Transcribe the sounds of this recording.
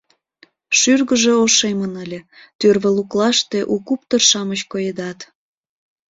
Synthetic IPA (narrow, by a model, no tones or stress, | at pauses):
ʃyrɣəʒeoʃemənəlʲet̪ørβəluklɑʃt̪e̽ʔukup̚t̪ərʃɑmət͡ɕkojed̪ɑt̪